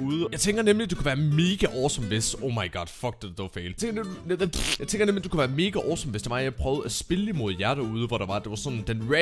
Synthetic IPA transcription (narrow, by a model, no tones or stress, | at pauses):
uːðˠəjɑ̈ɪt͡sʰeŋɡ̥ɐnemlid̥ukʰuʋæːɐme̝ːɡ̥əʔɒːsɒ̽mʋesɔʊmɑ̈ɪɡ̥ɑd̥fɒ̽ɡ̥̚d̥ed̥d̥oʊfeɪlʰeŋɡ̥ɐnejɑ̈ɪt͡sʰeŋɡ̥ɐnemlid̥ukuʋæːɐme̝ːɡ̥əʔɒ̰ːsɒ̽mʋesd̥eʋɑ̈jpʰʁœːʊð̞̩ˠæsb̥e̝limo̝ð̞ˠjæɐɾ̥æɐuð̞ˠəʋɒɾɑ̈ʋɑ̈d̥e̝ʋɑ̈sɒ̽nd̥enʁe